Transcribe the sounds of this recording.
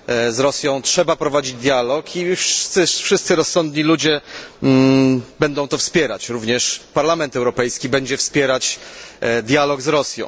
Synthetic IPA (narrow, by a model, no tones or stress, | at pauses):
zɾɔsʲjɔ̃w̃tʂɛbapɾɔvad͡ʑid͡ʑd̪ʲjalɔkʰifʂst̪sɘfʂɘst̪sɘɾɔsːɔnd̪ɲilud͡ʑɛ | bɛnd̪ɔ̃w̃t̪ɔfspʲjɛɾa̰t͡ɕɾuvɲɛʂpaɾlamɛnt̪ɛwɾɔpɛjskʲibɛɲd͡ʑɛfspʲjɛɾat͡ɕ | d̪ʲjalɔɡzɾɔsʲjɔ̰̃w̃